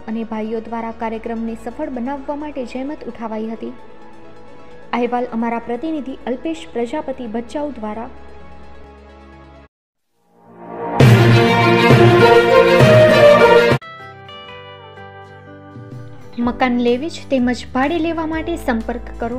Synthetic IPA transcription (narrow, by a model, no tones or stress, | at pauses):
ʔənebʱajːod̪ʋaɾakaɾjəkɾəmnesəfəɭbənaʋːamaʈed͡ʒəjmət̪uʈʰaʋajɦət̪i | aɦeʋaləmaɾapɾət̪inid̪ʱiʔəlpeʃpɾəd͡ʒapət̪ibət͡ʃaud̪ʋaɾa | məkanleʋit͡ʃʰt̪eməd͡ʒbʱaɽileʋamaʈesəmpəɾkːəɾo